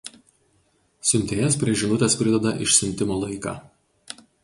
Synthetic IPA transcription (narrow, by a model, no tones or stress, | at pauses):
sʲʊmʲt̪ʲeːjɛspʲɾʲiɛʒʲɪnʊt̪ʲeːspʲɾʲɪd̪ʲɛd̪ɐʔɪʃsʲɪmʲt̪ʲɪmoːlˠɐɪkɑ̰ː